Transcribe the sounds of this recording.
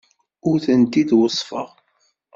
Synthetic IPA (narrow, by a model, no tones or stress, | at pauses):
ʊɾθənt̪id̪wəsˤfəʁ